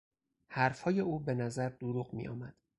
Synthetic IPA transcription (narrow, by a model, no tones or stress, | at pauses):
hæɾfhɒːje̞uːbe̞næzæɾd̪uɾuːɣmḭjɒ̰ːmæd̪̥